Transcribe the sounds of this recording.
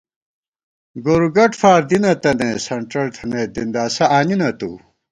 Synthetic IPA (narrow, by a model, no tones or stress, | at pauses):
ɡoɾuɡɐʈfaːɾd̪inɐt̪ɐnesɐɳʈɐlt̪ʰɐned̪ind̪aːsɐʔaːninɐt̪ṵ